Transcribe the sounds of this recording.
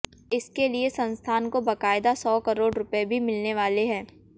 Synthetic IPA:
ɪskeliesɐ̃nst̪ʰaːnkobɐkaːɪd̪asɔːkɐɾoːɽɾʊpebʱimɪlneʋaːleɦɛ̃ː

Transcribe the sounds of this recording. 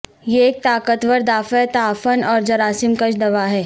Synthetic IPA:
jeeːk̚t̪aːkət̪ʋəɾd̪aːfɛt̪aːfənɔːɾd͡ʒɐɾaːsɪmkəd͡ʒd̪ɐʋaɦɛː

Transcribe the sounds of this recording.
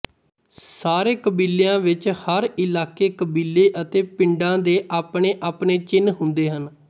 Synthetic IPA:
saːɾeːkəbiːlejãːʋɪt͡ʃhəɾɪlaːkeːkəbiːlːeːʔət̪eːpɪɳɖãːd̪eːʔaːpɳeːʔaːpneːt͡ʃɪnɦʊnd̪eːɦən

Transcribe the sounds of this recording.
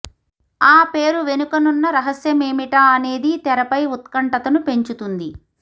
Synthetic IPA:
aːpe̞ːɾuʋe̞nukɐnunːɐɾɐɦɐsjɐmeːmiʈɐːne̞ːd̪it̪ɛɾɐpɐjut̪̚kɐɳʈɐt̪ɐnupe̞ɲt͡ʃut̪und̪i

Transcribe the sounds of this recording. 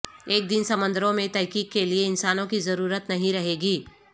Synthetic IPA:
eːk̚d̪ɪnsɐmə̃nd̪əɾõmẽt̪ɛːkiːk̚kelieɪnsaːnõkizɐɾuːɾət̪nɐɦĩɾɐɦeːɡiː

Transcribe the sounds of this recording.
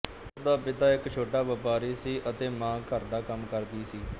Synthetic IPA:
sd̪aːpɪt̪aːɪkt͡ʃʰoːʈaːʋəpaːɾiːsiːʔət̪eːmãːkəɾd̪aːkəmkəɾd̪iːsiː

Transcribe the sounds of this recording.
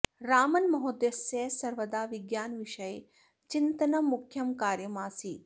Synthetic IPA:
ɾaːmɐnmɐɦod̪jɐsesɐɾʋɐd̪aːʋiɡjaːnʋiʂɐje | t͡ʃint̪ɐnɐmukʰːjɐmkaːɾjɐmaːsiː

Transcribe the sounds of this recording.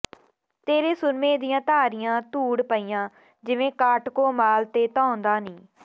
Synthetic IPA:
t̪eːɾeːsʊɾmẽːd̪ɪjãːt̪aːɾɪjãːt̪uːɽpəiːjãː | d͡ʒɪʋẽːkaːʈkoːmaːlt̪eːt̪ãːʊnd̪aːniː

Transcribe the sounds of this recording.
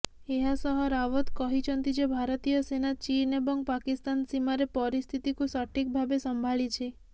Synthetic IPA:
eɦasɔɦɔɾaʋɔt̪kɔɦit͡ʃʰɔnt̪id͡ʒebʱaɾt̪ijɔsenat͡ʃinebɔŋɡpakist̪ansimaɾepɔɾist̪ʰit̪ikusaʈʰik̚bʱabesɔmbʱaɭit͡ʃʰe

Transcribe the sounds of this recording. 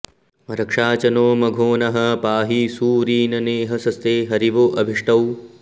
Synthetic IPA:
mɐɾɐkʂaːt͡ʃɐnoːmɐɡʱoːnɐɦɐpaːɦisuːɾiːnɐneːɦɐsɐst̪eːɦɐɾiʋoːʔɐbʱiʂʈɐw

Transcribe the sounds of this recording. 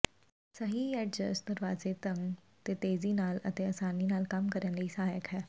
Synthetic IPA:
səɦiːɛːɖd͡ʒə̰snɪɾʋaːzeːt̪ə̃ŋɡ | t̪eːt̪eːziːnaːlə̰t̪eːəsaːniːnaːlkɐmkəɾənləiːsəɦaːjəkɦɛː

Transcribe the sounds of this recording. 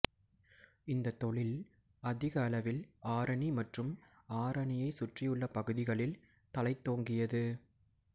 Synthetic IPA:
ɪnd̪ɐt̪ːɔɭɪl | ɐðɪɣɐːlɐʋɪlaːɾɐɳimɐʈrɯm | aːɾɐɳɪjɐɪsʊʈrɪjɯɭːɐpɐɣɯðɪɣɐɭɪl | t̪ɐlɐɪt̪ːoːŋɡɪjɐðɯ

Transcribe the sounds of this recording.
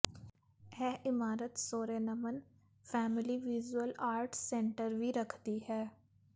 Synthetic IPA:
ɛːʔɪmaːɾət̪soːɾeːnəmən | fʰɛːmɪliʋid͡ʒwəlaːɾʈsɛ̃ːɳʈəɾʋʱiɾəkʰd̪iɦɛː

